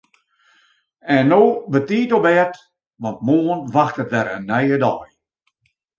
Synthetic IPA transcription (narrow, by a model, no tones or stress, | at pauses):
ɛnːoːbətiːtɔpɛːt | ʋɔnt̚moːənʋaxtətʋɛɾənːɛjədɔj